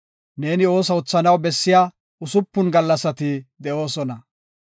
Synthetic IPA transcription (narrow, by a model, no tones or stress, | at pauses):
ne̞ːnɪo̞ːs̬ɐʊt͡sːɐnɐwbɛsːɪjaː | ʊsʊpːʊnɡɐlːɐsɐt̪ɪd̪ɛʔo̞ːsɔnɐ